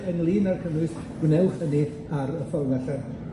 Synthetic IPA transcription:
ənlˠiːnarkʰənʊɨs | ɡ̥wnɛwχəni | aɾəfɔrnaɬan

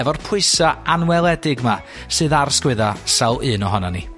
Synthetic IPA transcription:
ɛvɔrpʰʊɨsaʔanwɛlˠɛdɪɡma | sɨːðarskwɪðasawˠɨːnɔɦɔnani

